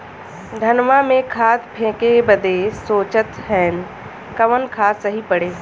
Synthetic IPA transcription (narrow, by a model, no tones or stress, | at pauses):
d̪ʱənʋamẽkʰaːt̪pʰẽːkebəd̪esoːt͡ʃət̪ɦɛːn | kəʋənkʰaːsəɦipəɽeː